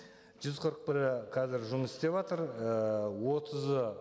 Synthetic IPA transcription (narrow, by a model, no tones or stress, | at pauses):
ʒ̥ʏzqʰəɾəq̚pɪɾɪqʰɑzɪɾʒʊməsɪst̪epɑt̪əɾəwo̞t̪ʰəzə